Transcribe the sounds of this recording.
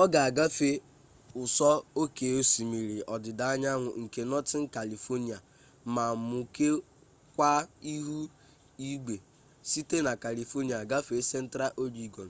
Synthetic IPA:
ɔ˦ɡa˨a˨ɡa˦fe˦ | ʊ˨sɔ˦o˦ke˨o˦si˨mi˨ɾi˨ɔ˨dɪ˨da˨a˦ɲa˦ŋʷʊ̰˨ŋ̩˨ke˨nɔ˦tɪ˦ŋ̩˦ka˨li˨fo˦ni˨a˨ | ma˨mʊ˨ke˦ | kʷa˦i˦ɦu˦ | i˦ɡ͡be˨ | si˦te˦na˨ka˨li˨fo˦ni˨a˨ɡa˦fe˨˦se˦n̩˦tɾa˦ʔo˦li˦ɡɔ˨n̩˨

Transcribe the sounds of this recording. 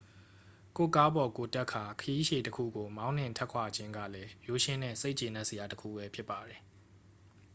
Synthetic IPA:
ko̰˦˨ka˦bɔ˨ko˨tɛ˦ʔkʰːa˨kʰəji˦ʃe˨təkʰṵ˦˨ɡo˨mã˦ʊ̃n̥ɪ̃˦˨ntʰɛ˦ʔkʰwa˨d͡ʑɪ̃˦ŋɡä̰˦˨lɛ˦jo˦˨ʃɪ̃˦nɛ̰˦˨se˦ɪʔt͡ɕe˨nã˦ʔsə˨ja˨təkʰṵ˦˨bɛ˦pʰjɪ˦pːa˨dɛ˨

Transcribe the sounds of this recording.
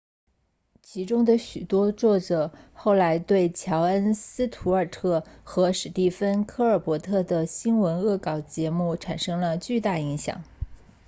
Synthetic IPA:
t͡ɕʰi˧˥ʈ͡ʂʊ˥ŋd̪ə˨ɕy˨˩t̪wɔ˥t͡swɔ˥˩t͡sɤ˨˩xo˥˩ʊla˧˥ɪt̪we˥˩ɪt͡ɕʰjɑ˧˥ʊə˥nsɹ̩˥t̪ʰu˧˥ə˞˨˩t̪ʰɤ˥˩xɤ˧˥ʂɻ̩˨˩t̪i˥˩fə˥nkʰɤ˥˧ə˞˨˩pwɔ˧˥t̪ʰɤ˥˩d̪ə˩ɕi˥nwə˧˥nɤ˥˩kɑ˨˩ʊt͡ɕjɛ˧˥mu˥˩ʈ͡ʂʰa˨˩nʂɤ˥ŋlə˨t͡ɕy˥˧t̪a˥˩i˧˥ŋɕjɑ̰˨˩˦ŋ

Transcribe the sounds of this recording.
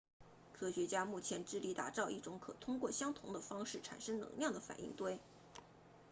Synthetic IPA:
kʰɤ˥ɕɥɛ˧˥t͡ɕja˥mu˥˩t͡ɕʰjɛ˧˥nʈ͡ʂɻ̩˥li˧˥t̪a̰˨˩t͡sɑ˥˧ʊʔi˥˩ʈ͡ʂʊ˧˥ŋkʰɤ˨˩t̪ʰʊ˥ŋkwɔ˥˩ɕjɑ˥ŋt̪ʰʊ˧˥ŋd̪ə˧fɑ˥ŋʂɻ̩˥˩ʈ͡ʂʰa̰˨˩nʂɤ˥ŋnɤ̰˧˥ŋljɑ˥˩ŋd̪ə˩fa̰˨˩nʔḭ˥˩ŋt̪we˥ɪ

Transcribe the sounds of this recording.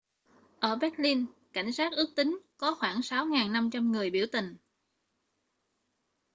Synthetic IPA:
ʔəː˧˩ɓɛ˦˥t̚li˧nka˧˩jŋ̟saː˦˥t̚ʔɨ˦˥ək̚t̪ï˨˦ŋ̟kɔ˨˦xwaː˧˩ŋsa˨˦wŋaː˨˩nːa˧mt͡ɕa˧mŋɨ˨˩əjɓi˧˩əwt̪ï˨˩ŋ̟

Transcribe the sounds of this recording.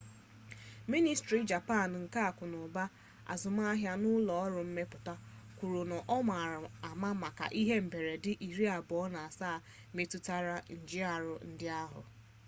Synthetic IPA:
mi˦ni˨stɾi˨d͡ʒa˨pa˦˨n˨ŋ̩˨ka˦a˨kʊ˨nʊ˨ba˦ | a̰˨zʊ˨m˦a˦a˦ɦja˦nʊ˦lɔ˨ɔ˦ɾʊ˨m̩˦me˦pʊ˨ta˦ | kʷu˨ɾʊ˨nɔ˨ʔɔ˦m˨a˨ɾʊ˨a˨ma˦ma˨ka̰˨ʔi˦ɦe˦m̩˨be˨ɾe˨dɪ˦ʔi˨ɾi˦a˨bʊ˨ɔ˦na˨a˨saː˦˨ | me˦tu˦ta˦ɾa˦n̩˨d͡ʒɪ˦a˨ɾʊ˨n̩˦dɪ˦a˦ɦʊ̰˨

